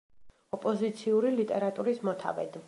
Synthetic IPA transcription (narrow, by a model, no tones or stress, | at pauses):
ɔpʼɔzit̪sʰiuɾilit̪ʼɛɾat̪ʼuɾismɔt̪ʰa̰vɛ̰d̪̥